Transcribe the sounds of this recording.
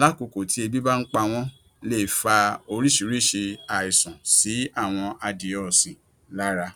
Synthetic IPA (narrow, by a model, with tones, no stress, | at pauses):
la˦ko˨˧ko˨tʰi˨˦e˧bi˦ba˦n̩˦k͡pa˧w̃ɔ̃˦ | le˦˨fa˧o˧ɾi˦˨ʃi˨˦ɾi˦˨ʃe˧a˨i˨sɔ̃˨si˨˦a˦˨w̃ɔ̃˧ʔa˧de˨ɔ˨sĩ˨ | la˦ɾa˧